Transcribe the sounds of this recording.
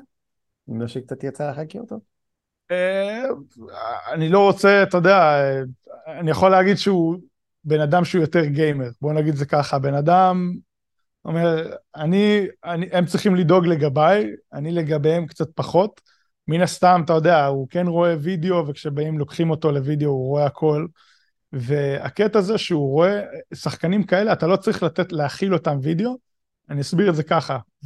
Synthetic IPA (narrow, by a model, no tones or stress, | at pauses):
imlaʃekt͡sat̪jat͡salaχakiot̪o | e | anilo̞ʁo̞t͡se̞at̪ajod̪eaeanijaχo̞lːeaɡid̪ʃeu | be̞nad̪amʃeujo̞te̞ʁɡejmeʁbo̞naɡid̪zekaχabe̞nadam | ome̞ʁanianiʔemt͡sʁiχimlido̞ɡle̞ɡabajanile̞ɡabeemkt͡sat̚paχo̞t | minast̪amatajo̞de̞auke̞nʁo̞e̞video̞vekʃe̞baimlo̞kχimo̞to̞le̞vid̪eo̞uʁo̞e̞akʰo̞l | ve̞a̰ke̞taze̞ʃeuʁo̞esaχkanimkae̞leatalo̞t͡sʁiχlat̪etleaχilo̞tamvideo̞ | aniasbiʁtze̞kaχa